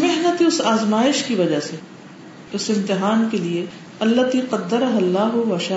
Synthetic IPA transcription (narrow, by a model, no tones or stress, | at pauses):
mɪɦnət̪eʊsaːzmaːɪʃkiʋɐd͡ʒase | ʊsɪ̃mt̪ɪɦaːnkelie | ɐlːɐt̪iːqɐd̪ːəɾɐɦɐlːaːɦʊbɐʃaː